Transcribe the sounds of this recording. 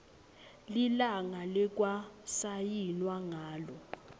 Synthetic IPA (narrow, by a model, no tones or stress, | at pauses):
lilaŋalɛk̬ʼwasajinwaŋaːlɔ